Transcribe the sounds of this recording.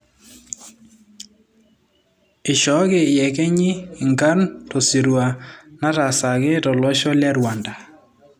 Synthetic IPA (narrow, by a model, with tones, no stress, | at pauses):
ɪ˨ʃɔ˨˦ɡɪ˨ɪ˨jɛ˨kɛ˦ɲɪ˦˨ŋɡa˦ntɔ˨si˨ɾwa˨na˦ta˨sa˨ɡɪ˦tɔ˨lwɔ˦ʃɔ˦la˦ɾwa˨nda˨